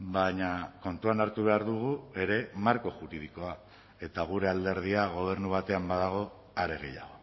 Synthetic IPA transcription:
baɲako̞nt̪uanaɾt̪uβ̞e̞aɾðuɣ̞ue̞ɾe̞maɾko̞ʝuɾiðiko̞a | e̞t̪aɣ̞uɾe̞ald̪e̞ɾð̞iaɣ̞o̞β̞e̞ɾnuβ̞at̪e̞ambaðaɣ̞o̞ | aɾe̞ɣ̞e̞̰ja̰ɣ̞o̞

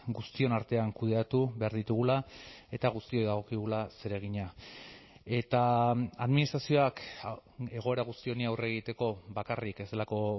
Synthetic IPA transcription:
ɡust̪io̞naɾt̪e̞aŋkuðe̞at̪uβe̞aɾðit̪uɣ̞ulae̞t̪aɣ̞ust̪io̞jðaɣ̞o̞kiɣulase̞ɾe̞ɣ̞iɲa | e̞t̪aaðminist̪ɾasio̞ak | e̞ɣ̞o̞e̞ɾaɣ̞ust̪io̞niawre̞ɣ̞it̪e̞ko̞βakarike̞zd̪e̞lako̞

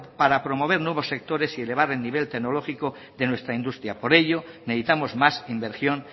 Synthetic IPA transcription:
paɾapɾo̞mo̞β̞e̞ɾnwe̞β̞osːe̞k̚t̪o̞ɾe̞siele̞βaɾe̞lniβ̞e̞lt̪eɣnolo̞xiko | ðe̞nwe̞st̪ɾaind̪ust̪ɾjapo̞ɾe̞ʎo̞neðit̪amozmasimbe̞ɾsjon

